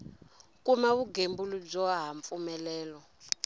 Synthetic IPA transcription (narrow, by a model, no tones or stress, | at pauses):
kʼumaβuɡembulub͡ʐɔaɦaɱp̪fumɛlɛːlɔ